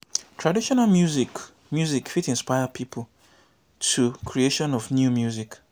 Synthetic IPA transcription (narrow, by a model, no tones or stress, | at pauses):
tʰɹadiʃɔnalmjuzi | mjuzikfitĩnspaɪəpʰipʰl̩ | tʰukʰɹieʃɔ̃nɔfnjumjuzik